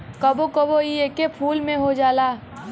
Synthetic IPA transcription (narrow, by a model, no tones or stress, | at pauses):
kɐbokɐboieːkepʰuːlmẽɦod͡ʒaːlaː